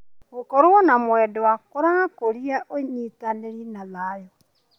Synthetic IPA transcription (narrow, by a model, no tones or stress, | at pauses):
okɔɾowɔnamwɛdwakoɾaakoɾiaʔoɲitaneɾinalaːjɔ